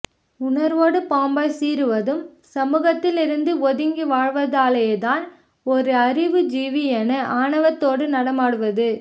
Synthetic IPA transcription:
ʊɳɐɾʋoːɽɯpaːmbɐsiːɾɯʋɐðɯmsɐmuːɣɐt̪ːɪlɪɾɯnd̪ɯɔðɪŋɡiʋaːɻʋɐðaːlɐjeːt̪aːn | ɔɾɯɐɾɪʋɯd͡ʒiːʋiɛnɐʔaːɳɐʋɐt̪ːoːɽɯnɐɽɐmaːɽɯʋɐðɯ

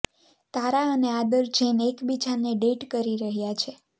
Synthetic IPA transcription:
t̪aɾaənead̪əɾd͡ʒenekbid͡ʒaneɖeʈkəɾiɾəɦjat͡ʃʰe

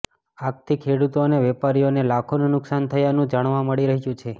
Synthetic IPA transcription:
ak̚t̪ʰikʰeɽut̪oneʋɛpaɾijonelakʰonũnʊksant̪ʰəjanũd͡ʒaɳ̃ʋaməɽiɾəɦijũt͡ʃʰe

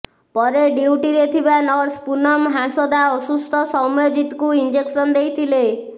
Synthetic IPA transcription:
pɔɾeɖiwʈiɾet̪ʰibanɔɾɖspunɔmɦãsɔd̪aɔsust̪ʰɔsɔmjɔd͡ʒit̪kuind͡ʒeksɔnd̪ejt̪ʰile

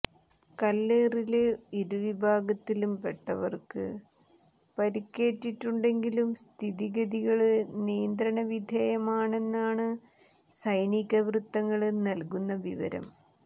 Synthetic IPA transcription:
kɐlːeːriliɾuʋibʱaːɡɐt̪ːilumpeʈːɐʋɐ̰rkɨ̰ | pɐɾikʲːe̞ːʈːiʈːuɳɖe̞ŋɡilumst̪ʰiðiɣɐðiɣɐɭɨnijɐnd̪ɾɐɳɐʋid̪ʱeːjɐmaːɳe̞nːaːɳɨ | sɐjniɣɐʋrut̪ːɐŋːɐɭnɐlkunːɐʋiʋɐ̰ɾɐ̰m

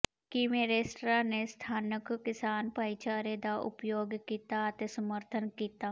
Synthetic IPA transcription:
kimẽːɾeːsʈɾanest̪ʰaːnəkkɪsaːnpaɪt͡ʃaːɾed̪aʔʊ̰pjoːɡkiːt̪at̪esəməɾt̪ʰənkiːt̪aː

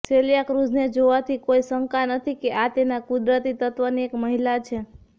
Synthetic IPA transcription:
selijakɾud͡ʒned͡ʒoʋat̪ʰikoisəŋkanət̪ʰikeʔat̪enakud̪ɾət̪it̪ət̪ʋəniekməɦilat͡ʃʰe

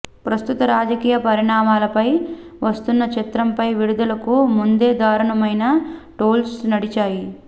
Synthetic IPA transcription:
pɾɐst̪ut̪ɐɾaːd͡ʒɐkiːjɐpɐɾiɳaːmaːlɐpɐj | ʋɐst̪unːɐt͡ʃit̪ɾɐmpɐjʋiɽud̪ɐlɐkumund̪e̞ːd̪aːɾɐɳɐmɐjnɐʈoːlsnɐɽit͡ʃaːji

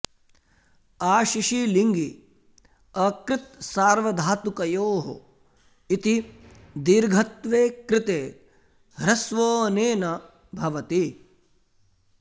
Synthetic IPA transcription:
aːʃiʃiliŋɡi | ɐkɾɪt̪̚saːɾʋɐd̪ʱaːt̪ukɐjoːɦo̰ | it̪i | d̪iɾɡʱɐt̪ʋeːkɾɪt̪eː | ɾɐsʋoːneːnɐ | bʱɐʋɐt̪i

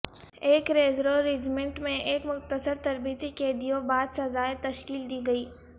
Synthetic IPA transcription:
eːkɾeːzɾoɾed͡ʒmɛ̃ɳʈmẽʔeːkmʊqt̪əsəɾt̪ɐɾbit̪iked̪ijobaːd̪sɐzaːet̪ɐʃkiːld̪iːɡɐiː

